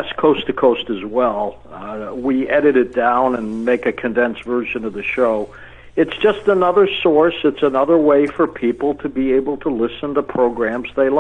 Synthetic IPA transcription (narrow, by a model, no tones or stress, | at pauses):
ɨskʰoʊstɨkʰoʊstɨzwɛlˠ | wiɛɾɨɾɨt̚d̥ãʊ̃nɨ̃nmeɪkɨkʰɨ̃ndɛ̃nsvɜ˞ʒɨ̃nʌvðɨʃoʊ | ɨtsd̥ʒ̥ʌstənʌðə˞sɔɹsɨtsənʌðə˞weɪfə˞pʰipl̩ˠtʰɨbieɪbl̩ˠtʰəlɪsə̃ntəpʰɹ̥oʊɡɹæ̃mzðeɪl